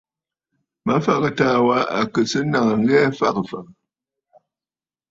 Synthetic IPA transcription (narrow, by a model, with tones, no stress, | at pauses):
ma˦fa˨kɨ˨taː˦wa˦a̰˨kɨ˨sɨ˦na˨ŋə˨ŋ̩˦ɡɛː˦fa˦˨kɨ˨fa˨k